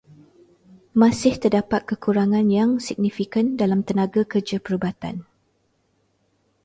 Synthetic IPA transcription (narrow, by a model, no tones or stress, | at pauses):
mãsɪht̪ərdapat̪̚kəkuɾaŋãnjaŋsiɡ̚nifikəndalamt̪ənãɡakərd͡ʒapəɾubat̪a̰n